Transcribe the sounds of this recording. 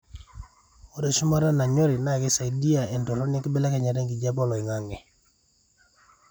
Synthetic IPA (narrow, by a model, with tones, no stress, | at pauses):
o˦dɔ˦˨ʃu˦ma˦ɾa˦na˨ɲɔ˦ɾɪ˨na˦˨ɡɪ˦sa˨di˦a˨ɛ˨ndɔ˨ɾɔ˦nɪ˦kbɛ˦la˦ka˨ɲa˨ɾe˦ŋɡi˨d͡ʒa˦bɔ˦lɔ˨i˨ŋa˨ŋɛ˨